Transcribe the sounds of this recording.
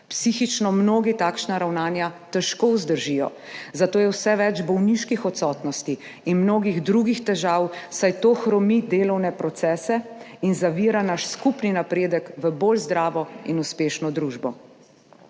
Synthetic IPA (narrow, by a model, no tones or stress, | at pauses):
psixit͡ʃnɔmnoːɡit̪aːkʃnaɾawnaːnjat̪ɛʃkowzd̪əɾʒijɔ̰ | zat̪oːjɛwsɛʋɛd͡ʒbɔwniʃkixɔt̪sɔːt̪nɔst̪iː | nmnoːɡiɣd̪ɾuɡixt̪ɛʒaːwsajt̪oːxɾɔmid̪eːlɔwnɛpɾɔt̪sɛːsɛ | inzaʋiːɾanaʃskupninapɾeːd̪əkʋəboːlzd̪ɾaːʋɔinuspeːʃnɔd̪ɾuʒbɔ